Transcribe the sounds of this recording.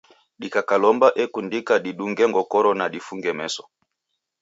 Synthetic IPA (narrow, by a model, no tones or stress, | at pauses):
ɗikakalɔmbaʔɛkundikaɗiɗuŋɡɛŋɡɔkɔɾɔnaɗifuŋɡɛmɛsɔ̥